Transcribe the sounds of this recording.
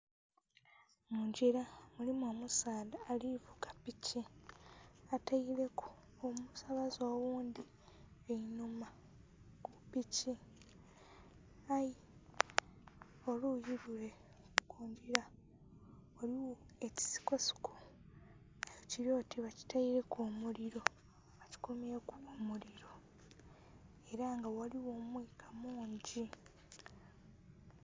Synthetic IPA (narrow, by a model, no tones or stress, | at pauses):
muɲɟiɾamulimomusaːdaːlivuɡapici | ataile̞kʰu̥ | omusaβazo̞ːwuːnd̪i | einuma | kupici | aji | olujiβule̞ | kuːɲɟiɾa | oɾiwo | eci̥si̥kosu̥kʰu̥ | ajociɾoːtiβaci̥taiɾe̞koːmuɾiɾo̞ | βaci̥kumiekːmuliɾo̞ | e̞ɾaŋɡawaliwo̞ːmwiːkʰamuːɲɟi